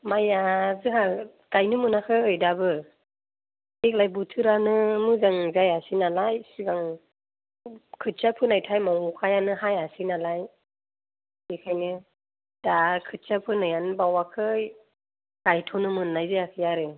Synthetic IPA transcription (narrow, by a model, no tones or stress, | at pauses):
majazɯɦa | ɡ̥ajnɯmɯnakʰɯɯjdabɯ | ek̚lajbutʰɯɾanɯmɯzaŋzajasinalajsiɡaŋ | kʰɯt̚sapʰɯnajtʰajmaŋukʰajanɯhajasinalaj | ikʰajnɯ | d̥akʰɯt̚sapʰɯnajanbawakʰɯ | ɡ̥ajtʰɔnɯmɯnːajzɯjakʰɯjaɾɯ